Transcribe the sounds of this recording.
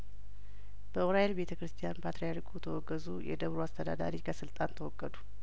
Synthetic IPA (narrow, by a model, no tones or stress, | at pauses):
b̥əoɾajelbe̞t̪ʰəkɾɨst̪ʰijanpʰat̪ɾijaɾkʰʼut̪ʰəwɔɡːəzujɛ̰d̪əβɾoast̪ʰəd̪a̰d̪a̰ɾikʰəsɨlt̪ʼant̪ʰəwɔɡːəd̪u